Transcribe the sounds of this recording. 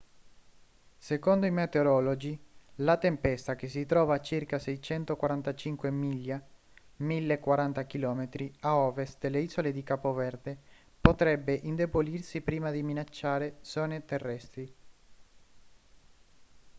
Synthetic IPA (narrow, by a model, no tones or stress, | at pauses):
sekond̪oimet̪eoɾɔːlod͡ʒilat̪empɛst̪akes̬it̪ɾɔːvat͡ʃirkasɛjt͡ʃɛnt̪okwaɾant̪at͡ʃiŋkwemiʎːa | milːekwaɾant̪akilɔːmet̪ɾiaɔːvest̪̚d̪̥elːeiːzoled̪ikaːpovɛrd̪e | pot̪ɾɛbːeʔind̪ebolirsipɾiːmad̪iminat͡ʃːaːɾesɔːnet̪erːɛst̪ɾi